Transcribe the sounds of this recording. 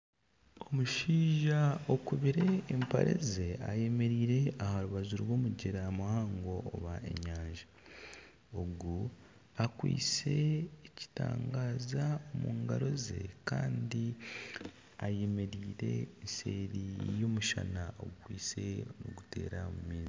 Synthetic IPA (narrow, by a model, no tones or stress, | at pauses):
omuʃiːʒaokuβiɾe̞ːmpa̰ɾe̞̰zeaje̞me̞ɾiːɾe̞ahaɾuβazuɾwo̞ːmuɟeɾamahaːŋɡo̞̰ːβae̞̰ɲaːɲʒa | oɡu | akwḭːt͡se̞ːci̥ta̰ːŋɡaːzaomuːŋɡaɾo̞ze̞̰kaːndi | aje̞me̞ɾiːɾe̞̰nseːɾijo̞muʃa̰nao̰ɡukwiːt͡se̞no̰ɡutʰe̞̰ːɾamumiːzi